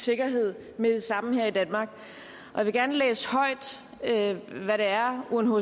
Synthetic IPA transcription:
se̝ɡ̥ɐɦe̝ð̞̰ˠ | meðsɑ̈m̰n̩heɐ̰id̥ænmɑ̈ːɡ̥ | ʔɒ̽jɑʋe̝ɡ̥æɐnəlḛːshɒ̽ɪ̰d̥ | øʋæɾeæɐunɦo

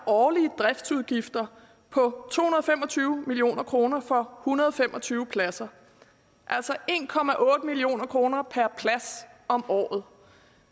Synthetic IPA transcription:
æɐʔɒːliəd̥ʁɛfd̥suð̞ˠɡ̥ifd̥ɐ | pʰɒ̽t͡sʰo̝̰ːhunɐðˠfemɒ̽t͡sʰyːʊmilio̝̰ːnɐkʰʁo̝ːnɐfɒ̽hunɐðˠɒ̽fem̰ʔɒ̽t͡sʰyːʊpʰlæsɐ | ʔæl̰sɒ̽e̝ːnkʰɒ̽mæʔɔ̽ːd̥əmilio̝̰ːnɐkʰʁo̝ːnɐpʰæɐpʰlæsɒ̽mɒ̰ːð̞̩ˠ

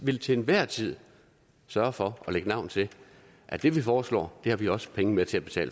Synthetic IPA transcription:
ʋe̝lt͡sʰe̝nʋæɐ̰t͡sʰið̞̰ˠ | sɶːɐfɒ̽ɒ̽leɡ̥ənɑ̈ʊ̰nt͡sʰe̝ | ʔæd̥e̝ʋifɒːslɒ̰ːd̥e̝hɑ̈ʋiɒ̽sə̥pʰeŋəmet͡sʰe̝æb̥e̝t͡sʰɛ̰ːl

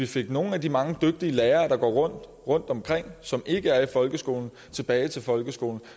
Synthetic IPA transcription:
ʋife̝ɡ̥no̝ːn̩æd̥imɑ̈ŋəd̥øɡ̥̚d̥iəleːɐːd̥ɑ̈ɡ̥ɒ̰ːʁɔ̽n̰d̥ | ʁɔ̽n̰d̥ɒ̽mkʰʁeŋ̰sɒ̽mʔe̝ɡ̥əæɐifɒ̽lɡ̥əsɡ̥o̝ːln̩ | t͡sʰe̝b̥ɛːɪt͡sʰe̝lfɒ̽lɡ̥əsɡ̥o̝ːln̩

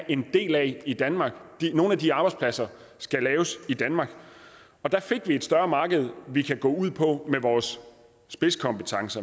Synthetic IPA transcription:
ʔe̝nd̥e̝̰ːlæid̥ænmɑ̈ːɡ̥d̥ino̝ːnæd̥iɑ̈ːb̥ɑ̈ɪdspʰlæsɐ | sɡ̥ælɛːʊsid̥ænmɑ̈ːɡ̥ | ɒ̽d̥æ̈fe̝ɡ̥ʋie̝d̥sd̥ɶɐmɑ̈ːɡ̥əð̞̩ˠʋikʰæɡ̥ɔ̰ːuð̞̰ˠpʰɒ̽meʋɒːsː | b̥e̝skʰɒ̽mb̥ət͡sʰɑ̈ŋsɐ

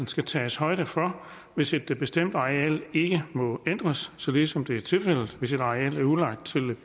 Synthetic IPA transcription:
n̩sɡ̥æt͡sʰɛːshɒ̽ɪɾ̥əfɒ̽ | ʋe̝se̝d̥b̥e̝sd̥em̰d̥ɑ̈eɛ̰ːle̝ɡ̥əmɒ̽en̰d̥ʁɐsːɒ̽le̝ːsɒ̽md̥e̝æɐt͡sʰe̝lfel̰d̥̩ˠʋe̝se̝d̥ɑ̈eɛ̰ːlæɐulɑ̈ɡ̥̚d̥̚t͡sʰe̝l

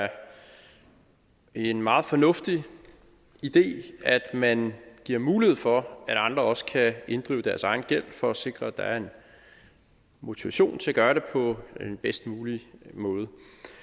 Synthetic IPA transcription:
ɐ | enmɑ̈ːð̞̩ˠfɒ̽nɔ̽fd̥i | id̥e̝̰ːæd̥mænɡ̥iɐ̰muːlihe̝ð̩̰ˠfɒ̽æɾ̥ɑ̈nd̥ʁɐɒ̽sə̥kʰæe̝nd̥ʁḭːʊd̥æɐsɑ̈ɪn̩ɡ̥el̰fɒ̽ɒse̝ɡ̥ʁɐd̥ɑ̈æɐe̝n | mo̝t͡sʰiʋæɕo̝̰ːnt͡sʰe̝æɡ̥ɶːɐɾe̝pʰɒ̽d̥enb̥esd̥muːlimɔ̽ːð̞̩ˠə

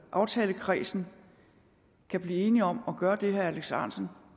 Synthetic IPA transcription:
ʔɑ̈ʊt͡sʰɛːləkʰʁḭːsn̩ | kʰæb̥liːe̝ːniɒ̽mɒ̽ɡ̥ɶːɐd̥e̝ɦææleɡ̥sɑ̰̈ːnsn̩

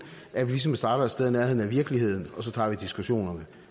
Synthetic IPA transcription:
ʔæɐʋilis̬ɒ̽msd̥ɑ̈ːɾ̥ɐsd̥eðˠnæɐɦe̝ð̰ˠn̩æʋiɐɡ̥əlihe̝ð̞̰ˠn̩ɒ̽sɒ̽t͡sʰɑ̰̈ːʋid̥isɡ̥uɕo̝̰ːnɐnə

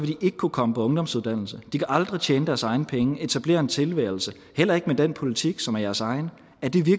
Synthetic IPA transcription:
ʋed̥iʔe̝ɡ̥ə̥kʰukʰɒ̽məpʰɒ̽ɔ̽ŋd̥ɒ̽m̰suðˠd̥æn̰l̩səd̥ikʰæʔɑ̈ld̥ʁit͡ɕʰeːnəd̥æɐsɑ̈ɪnəpʰeŋəe̝t͡sʰæb̥le̝̰ːɐe̝nt͡sʰe̝lʋæ̰ːɪl̩sə | hel̰ɐe̝ɡ̥əmed̥en̰pʰo̝lit͡sʰiɡ̥sɒ̽mæɐjæɐsɑ̈ɪnə | æɐd̥iʋiɐɡ̥

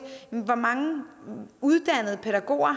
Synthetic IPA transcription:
ʋɒmɑ̈ŋə | uðˠd̥æn̰ð̞̩ˠəpʰe̝ɾ̥æɡ̥o̝̰ːɐ

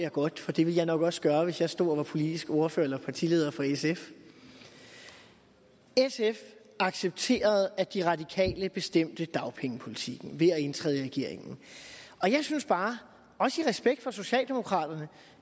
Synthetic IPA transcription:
jɑɡ̥ɒ̽d̥fɒ̽d̥e̝ʋe̝ljɑ̈ɪnɒ̽ɡ̥ɒ̽sɡ̥ɶːɐʋe̝sjɑsd̥o̝̰ɒʋɑ̈pʰo̝lid̥isɡ̥o̝ɐføɐelɐpʰɑ̈t͡sʰile̝ːð̞̰ˠɐfɒ̽esef | esef | ʔɑ̈ɡ̥seb̥̚t͡sʰe̝̰ːɐð̞̩ˠæd̥iʁɑ̈d̥ikʰɛ̰ːləb̥e̝sd̥em̰d̥əd̥ɑ̈ʊpʰeŋəpʰo̝lit͡sʰiɡ̥n̩ʋe̝æe̝nt͡sʰʁɛ̰ðˠʁɛɡ̥e̝ɐ̰e̝ŋn̩ʔɒ̽jɑ̈ɪsynsb̥ɑ̈ː | ɒ̽səiʁɛsb̥eɡ̥̚d̥fɒ̽so̝ɕɛ̰ːld̥e̝mo̝kʰʁɑ̰̈ːd̥ɐnə

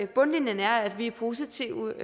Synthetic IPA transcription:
b̥ɔ̽nlinjənəæɐæd̥ʋiæpʰo̝ːsit͡sʰiʊ

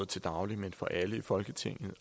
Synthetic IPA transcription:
ð̩ˠt͡sʰe̝d̥ɑ̈ʊlimenfɒ̽ʔæləifɒ̽lɡ̥ət͡sʰe̝ŋ̰ð̩ˠ

